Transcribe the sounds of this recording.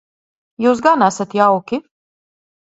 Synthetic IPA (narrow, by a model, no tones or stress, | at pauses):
juːs̬ɡanæsat̪jawkʲi